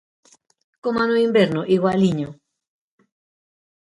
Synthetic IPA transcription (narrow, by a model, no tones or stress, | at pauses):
komanoimbeɾnoʔiɣwaliɲo